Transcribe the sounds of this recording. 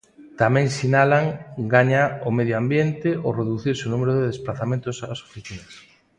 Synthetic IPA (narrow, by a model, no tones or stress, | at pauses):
t̪amɛ̃ŋsinalaŋɡaɲaʊmeðjoambjent̪ɪoreðuθiɾsɪonumeɾʊðeðesplaθamẽnt̪ʊsaso̥fiθinɐs